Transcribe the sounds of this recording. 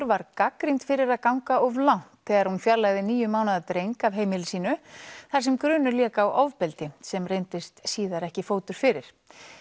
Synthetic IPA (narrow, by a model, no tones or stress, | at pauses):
ɾvaɾkakɾint̪fɪɾɪɾaðkawŋkaɔvlawn̥t̪θɛːɣaɾhunfjaɾlajðɪniːjʏmaːwnaðat̪ɾejŋkavɦeːjmɪlɪsiːnʏθḁs̬ɛmkɾʏːnʏɾljɛːkaːwʔawvpɛlt̪ɪsɛmrejnt̪ɪst̪siːðaɾɛhcɪfoːwt̪ʏɾ̥fɪɾɪɾ̥